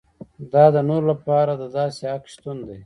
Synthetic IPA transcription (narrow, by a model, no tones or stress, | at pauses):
d̪ɑːd̪ənoɾlapɑːɾad̪əd̪ɑːseakʃt̪und̪e